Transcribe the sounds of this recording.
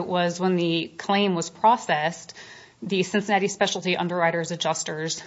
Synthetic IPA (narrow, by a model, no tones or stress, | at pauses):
ʔwʌzwə̃nðɨkʰl̥ẽɪ̃mwʌz̥pʰɹ̥ɔsɛs | ðɨsɪ̃nsənæɾispɛʃl̩ˠtiʔʌ̰̃ndə˞ɹaɪɾə˞zɨd͡ʒʌstə˞z̥